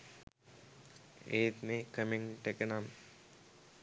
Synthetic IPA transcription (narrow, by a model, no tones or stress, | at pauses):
ḛːt̪mekəmiŋʈekenam